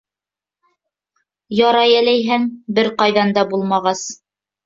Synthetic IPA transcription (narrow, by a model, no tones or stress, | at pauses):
jɑɾɑjælæjɦæŋbɘɾqɑjðɑnd̪ɑbulˠmɑʁɑs